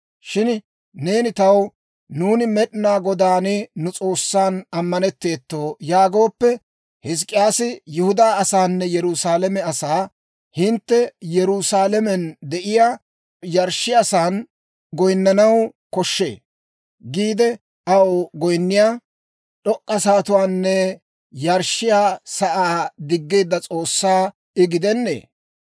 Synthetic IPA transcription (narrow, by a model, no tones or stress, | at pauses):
ʃɪn | ne̞ːnɪt̪ɐw | nuːnɪmɛɗɪnaːɡɔd̪aːnɪnʊt͡sʼo̞ːsːaːnɐmːɐnɛt̪ːe̞ːt̪ːo̞ːjaːɡo̞ːpːɛ | hɪs̬kʼːɪjaːsɪjʊhʊd̪aːɐsaːnːɛjɛɾusaːlɛmɛɐsaː | hɪnt̪ːɛjɛɾusaːlɛmɛnd̪ɛʔɪjaː | jɐɾʃːɪɐsaːn | ɡɔjnːɐnɐwkɔʃːe̞̰ː | ɡiːd̪ɛ | ʔɐwɡɔjnːɪjaː | ɗɔkʼːɐsaːt̪ʊwaːnːɛ | jɐɾʃɪjaːsɐʔaːd̪ɪɡːe̞ːd̪ːɐt͡sʼo̞ːsːaː | ɪɡɪd̪ɛnːḛː